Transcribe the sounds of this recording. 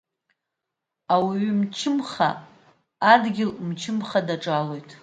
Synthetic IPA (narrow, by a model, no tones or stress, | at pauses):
awiɥʏmt͡ʃʰɪmχa̰ː | dɡʲɪlmt͡ʃʰɪmχadaʈ͡ʂʼalo̞jtʼ